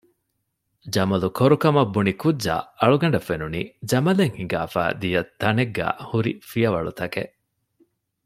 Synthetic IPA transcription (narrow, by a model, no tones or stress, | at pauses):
d͡ʒɐmɐlukoɾukɐmɐbːunikudːa̰ːɐɭuɡɐɳ̆ɖɐfːenuniːd͡ʒɐmɐleŋhiŋɡaːfæ̰ːd̪ijɐt̪ːɐneɡːæ̰ːhuɾḭfijɐʋɐɭṵt̪ɐkeʔ